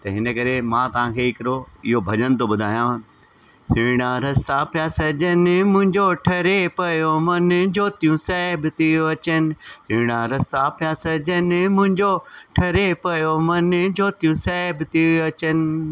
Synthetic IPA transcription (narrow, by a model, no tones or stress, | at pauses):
t̪ɐɦɪnəkɐɾemãːt̪ɐʋ̤ãːkʰeːɪkɪɾoɪɦobʱɐd͡ʑənɪ̆t̪ʰoɓʊd̪ʱaːjã | sɪːɽ̃ãɾɐst̪apʰjaːsɐd͡ʑənɪmʊ̃ɦɪ̃ɲd͡ʑoʈʰɐɾepɐjomɐnd͡ʑoːt̪ijũsɛːbt̪ɪoɐt͡ɕənɪ̆sɪ̃ːɽ̃ãːɾɐst̪apɪjaːsɐd͡ʑənɪmʊ̃ɦɪ̃ɲd͡ʑoʈʰɐɾepɐjomɐnd͡ʑoːt̪ijũsɛbt̪iɐt͡ɕənɪ̆